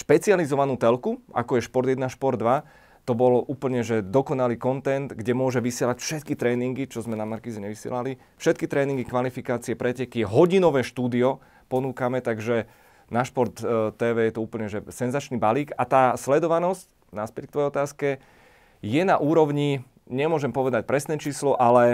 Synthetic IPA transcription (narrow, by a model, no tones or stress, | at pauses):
ʃpɛt͡sializɔʋanuːt̪ɛlkua̰kɔjɛʃpɔɾd̪jɛd̪naʃpɔɾd̪ːʋa | t̪ɔbɔluːpl̩ɲɛʒɛd̪ɔkɔnaliːkɔnt̪ɛnd̪ɡɟɛmʊɔʒɛʋisɪɛlacfʃɛt̪kit̪ɾɛːniŋɡit͡ʃɔzmɛnamaɾkiːzɛɲɛʋisɪɛ̰lali | fʃɛt̪̚kit̪ɾɛːniŋɡikʋalifikaːt͡siɛpɾɛcɛkiɦɔɟinɔʋɛːʃt̪uːd̪iɔ | pɔnuːkamɛt̪aɡʒɛ | naʃpɔɾt̪ːɛːʋɛːjɛt̪ɔuːpl̩ɲɛʒɛsɛnzat͡ʃnibaliːkat̪aːslɛd̪ɔʋanɔsc | naspɛckt̪ʋɔjɛjɔt̪aːskɛ | jɛnaʔuːɾɔʊɲi | ɲɛmʊɔʒɛmpɔʋɛd̪ac̚pɾɛsnɛːt͡ʃiːslɔʔalɛ